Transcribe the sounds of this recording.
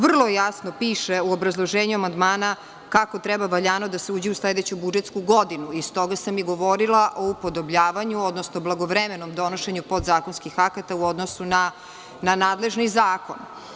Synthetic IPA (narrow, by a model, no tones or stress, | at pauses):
ʋr̩lˠojasnopiːʃeuobɾazlˠo̞ʒeːɲuamand̪maːna | kako̞t̪ɾɛbaʋaʎaːnod̪aseuːd͡ʑiusled̪et͡ɕubud͡ʒet̪skuɡo̞d̪inuist̪o̞ɡasamiɡoʋo̞ɾilˠaʔo̞upod̪o̞bʎaːʋaɲuod̪nosnoblˠaɡo̞ʋɾemenomd̪o̞noʃeɲupo̞d̪zaːko̞nskixakat̪auod̪nosuna | nanaːd̪le̞ʒnizaːko̞̰n